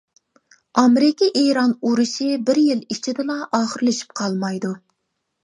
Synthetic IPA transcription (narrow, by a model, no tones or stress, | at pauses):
ɑmeɾɪkʲiʔeɾɑnuɾɨʃibɪɾjilit͡ʃʰid̪ɪlˠɑʔɑːχəɾlɪʃi̥p̚qʰɑlˠmɑjd̪u